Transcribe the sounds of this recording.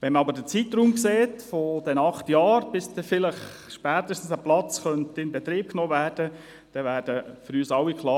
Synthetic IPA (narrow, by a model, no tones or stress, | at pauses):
ʋɛnmɑbəɾdət͡sit̪ɾuːmkseːtfɔd̥ɛnɑχtjɑːɾb̥ɪsdɛfɪləχ | ʃpæːt̪əʃtn̩səplɑt͡sχœntɪnbɛt̪ɾiːp̚knoːvæːrd̥ə | d̥ɛʋæːd̥əfʏɾyːsɑwːikʰlˠɑː